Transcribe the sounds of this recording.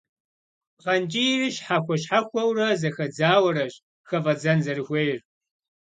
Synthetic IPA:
qɐnt͡ʃʼirɨɕħaxʷɔʃħaxʷɐwrɐzɐxɐd͡zaːwɐɾɐɕ | xɐvɐd͡zɐnzɐrɨxʷejɪr

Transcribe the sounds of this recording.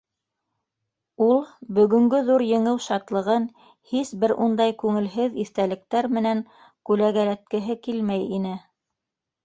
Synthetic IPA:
ulˠbɵ̆ɡɵ̆ŋɡɵðuɾjɤ̆ɴɤwʃɑt̪lˠɤ̆ʁɤn | hisbɘɾund̪ɑjkʉŋɘ̆lɦɘðiθt̪ælɘ̆k̚t̪æɾmɘ̆næŋ | kʉlæɣæɾæt̪̚kɘ̆ɦɘkilmæjinɘ

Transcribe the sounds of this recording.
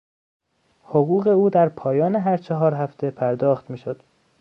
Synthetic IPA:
hoɣuːɣe̞uːd̪æɾpʰɒːjɒːneɦæɾt͡ʃʰɒɦɒːɾɦæft̪ʰe̞pʰæɾd̪ɒːxt̪miːʃod̪̥

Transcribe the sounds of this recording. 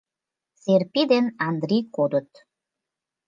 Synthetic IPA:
serpid̪enɑnd̪rikod̪ə̆t̪

